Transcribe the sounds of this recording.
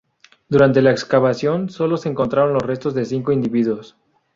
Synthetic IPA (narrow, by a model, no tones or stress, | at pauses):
d̪uɾant̪e̞laekskaβasjo̞nso̞lo̞se̞eːŋko̞nt̪ɾaɾo̞nlo̞sre̞st̪o̞zðe̞siŋko̞ind̪iβiðwos